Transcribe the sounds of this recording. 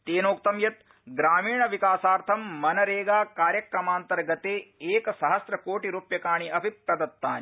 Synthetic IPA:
t̪eːnoːk̚t̪ɐmjɐt̪̚ | ɡɾaːmiːɳɐʋikaːsaːɾt̪ʰɐmːɐnɐɾeːɡaːkaːɾjɐkɾɐmaːnt̪ɐɾɡɐt̪eːeːkɐsɐɦɐsɾɐkoːʈiɾuːpjɐkaːɳiʔɐbʱipɾɐd̪ɐt̪ːaːni

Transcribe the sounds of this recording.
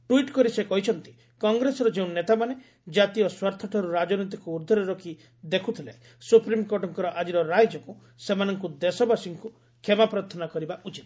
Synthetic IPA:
ʈuiʈkɔɾisekɔɦit͡ʃʰɔnt̪i̥ | kɔŋɡɾesɔɾɔd͡ʒeũnnːet̪amane | d͡ʒat̪iɔswaɾt̪ʰɔʈʰɔɾuɾad͡ʒɔnɔt̪̬ikuːɾd̪ʱɔɾeɾɔkʰi | d̪ekʰut̪ʰilaj | supɾimkoʈɔŋkɔɾɔʔad͡ʒiɾɔɾajd͡ʒɔku | semanɔŋkud̪esɔbasiŋku | kʰemapɾat̪ʰɔnakɔɾibaʔut͡ʃit̪

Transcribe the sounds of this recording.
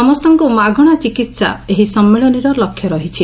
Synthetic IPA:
ɔmɔst̪ɔŋkumaɡʱɔɽ̃at͡ʃikit̪sa̰eɦisɔmːeɭɔniɾɔlɔkʰːjɔɾɔɦit͡ʃʰi

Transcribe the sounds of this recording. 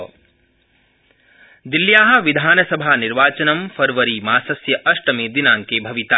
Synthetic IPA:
d̪iljaːɦɐ̆ʋid̪ʱaːnɐsɐbʱaːniɾʋaːt͡ʃɐnɐmfɐɾʋɐɾimaːsɐsjɐʔɐʂʈɐmeːd̪inaːŋkebʱɐʋit̪a

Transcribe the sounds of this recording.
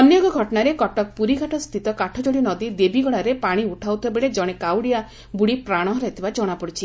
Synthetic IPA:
ɔnjɔɡɔɡʱɔʈɔnaɾekɔʈɔk̚puɾikaʈɔst̪ʰit̪ɔkaʈʰɔd͡ʒoɽinɔd̪id̪ebiɡɔɭ̃aɾepaɽ̃iuʈʰawt̪ʰebeɭed͡ʒɔɽ̃ekawɽija | buɽipɾaɽ̃ɔɦɔɾɔɦet̪ʰibad͡ʒɔɽ̃apɔɽit͡ʃʰi

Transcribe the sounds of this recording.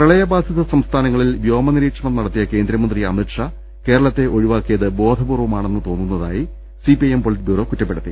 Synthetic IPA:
prɐɭɐjɐbaːd̪ʱjɐðɐsɐmst̪ʰaːnɐŋːɐɭilʋjo̞ːmɐniɾiːkʂɐɳɐmnɐɽɐt̪ːijɐke̞ːnd̪ɾɐmɐnd̪riɐ̰miʈʂɐ | ke̞ːɾɐɭɐt̪ːe̞ʔo̞ɻiʋaːkːijɐðɨbo̞ːd̪ʱɐbuːrʋumaːɳe̞nːɨt̪o̞ːnːunːɐðaːji | sipiempoɭitbjuːro̞ːkutːɐpːe̞ɽut̪ːi

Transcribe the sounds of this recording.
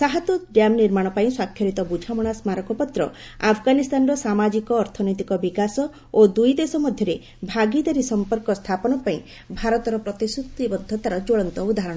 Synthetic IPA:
saɦat̪uɖamniɾmaɽ̃ɔpaĩswakʰjɔɾit̪ɔbud͡ʒʱamɔɽ̃asmaɾɔkɔpɔt̪ɾɔ̰ | apʰɡanist̪ʰanɔɾɔsamad͡ʒikɔːɾt̪ʰɔnɔjt̪ikɔbikasɔ | od̪ujd̪esɔmɔd̪ʱjɔɾe | bʱaɡid̪aɾisɔmpɔɾkɔst̪ʰapɔnɔpaĩ | bʱaɾɔt̪ɔɾɔpɾɔt̪isut̪ibɔd̪ʱːɔt̪aɾɔd͡ʒoɭɔnt̪ɔud̪ʱaɦɾɔɽ̃

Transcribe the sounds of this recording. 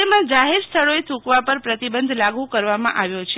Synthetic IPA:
emãd͡ʒaɦeɾst̪ʰəɭoet̪ʰũkʋapəɾpɾət̪ibənd̪ʱlaɡũkəɾʋamã̰ʔaʋjot͡ʃʰ

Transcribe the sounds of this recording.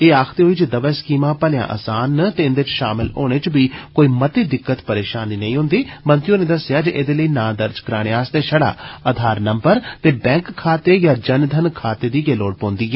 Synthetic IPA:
eːaːkʰt̪eːɦoːiːd͡ʒəd̪əʋɛːskiːmãːpəljã̰ːʔa̰ːsaːnːt̪eːɪnd̪eːt͡ʃʃaːmɪlo̰ːɽ̃eːt͡ʃbiːkoːiːmət̪iːd̪ɪkːət̪pəɾeːʃaːniːnəĩːɦʊ̃nd̪iːmənt̪ijõːneːd̪əsɪjaːd͡ʒeʔed̪eːləiːnãːd̪əɾd͡ʒkəɾaːɽeaːst̪eːʃəɽa̰ːəd̪ʱaːɾnəmbəɾt̪eːbɛ̃ːŋkkʰːaːt̪eːjaːd͡ʒənd̪ʱənkʰaːt̪eːd̪iːɡeːloːɽpɔ̃ːnd̪iːɦɛː

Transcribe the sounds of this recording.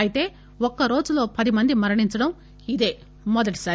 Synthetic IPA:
ɐjit̪e̞ː | ɔkːɐɾo̞ːd͡ʒulo̞ːpɐd̪imɐnd̪imɐɾɐɳiɲt͡ʃɐɽɐm | id̪e̞ː | mɔd̪ɐʈi̥saː

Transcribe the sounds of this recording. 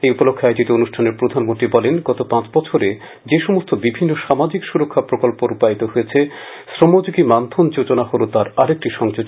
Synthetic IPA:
ejupolokʰːoajd͡ʑit̪eonuʃʈʰaneɾpɾod̪ʱanmont̪ɾibɔlenɡɔt̪opãt͡ɕbɔt͡ɕʰoɾe | d͡ʑeʃɔmost̪ʰobibʱinːoʃamad͡ʑikʃuɾokʰːapɾokolpoɾupait̪oɦojet͡ɕʰe | sɾomod͡ʑoɡimant̪ʰond͡ʑot͡ɕonaɦolot̪aɾaɾek̚ʈiʃɔŋd͡ʑod͡ʑ

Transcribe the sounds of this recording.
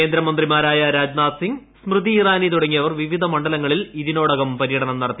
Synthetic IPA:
ke̞ːnd̪ɾɐmɐnd̪rimaːɾaːjɐɾaːd͡ʑnaːt̪siŋɡ | smrɨðiːraːnit̪uɽɐŋːijɐʋɐrʋiʋid̪ʱɐmɐɳɖɐlɐŋːɐɭiliðino̞ːɽɐɣɐmpɐɾijɐɽɐɳɐmnɐɽɐt̪ːi

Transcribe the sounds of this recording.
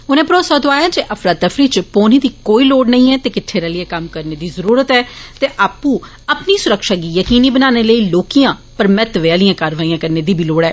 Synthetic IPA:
ʊnẽːpɾoːsaːd̪oaːjaːd͡ʒeʔəfʰɾaːt̪ːəfʰɾiːt͡ʃpoːniːd̪iːkoːiːloːɽnəĩːɛːt̪eːkɪʈʰːeːɾaːlɪjɛːkəmkəɾneːd̪iːzəɾuːɾət̪ɛːt̪eːʔaːpːũː | əpniːsʊɾəkʃaːɡiːjəkiːniːbənaːneːləiːloːkijãːpəɾmɛt̪ʋeːaːlɪjãːkaːɾʋaːiːãːkəɾneːd̪iːbʱiːloːɽɛː

